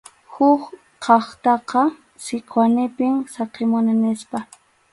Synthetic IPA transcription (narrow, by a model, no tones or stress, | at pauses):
hʊk | qʰɑχt̪ɑqɑ | sɪkʰwanɪpɪŋsɑqemʊnɪnɪspa